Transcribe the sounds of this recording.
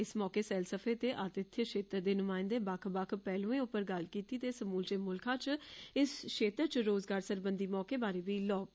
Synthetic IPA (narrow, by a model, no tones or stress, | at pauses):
ɪsmɔːkeːsɛːlsəpʰeːt̪eːʔat̪ɪt̪ʰːjəʃeːt̪əɾd̪eːnʊmaːɪnd̪eːbakʰbakʰpɛːlũːẽːʊpːəɾɡəlkiːt̪iːt̪eːsəmuːld͡ʒeːmʊlkʰãːt͡ʃɪsʃeːt̪əɾt͡ʃɾoːzɡaːɾsəɾbənd̪iːmɔːkeːbaːɾeːʋiːlɔː